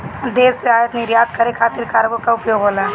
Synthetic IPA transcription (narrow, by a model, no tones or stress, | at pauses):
d̪eːseɦaːjət̪nɪɾjaːd̪kəɾekʰaːt̪ɪɾkaɾbəkaʊpjoːɡɦola